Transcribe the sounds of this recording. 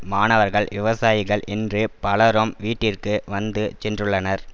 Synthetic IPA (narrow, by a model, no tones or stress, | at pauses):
maːnɐʋɐɾɣɐɭʋɪʋɐsaːjɪɣɐɭʔɪndrɯpɐlɐɾomʋiːʈːɪrkɯʋɐnd̪ɯt͡ʃɛndrɯɭːɐnɐɾ